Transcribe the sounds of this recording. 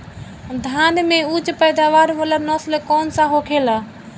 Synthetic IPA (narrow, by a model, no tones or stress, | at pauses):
d̪ʱanmeud͡ʒpəjd̪aʋaɾʋələnɔslkɔnsãɦokʰela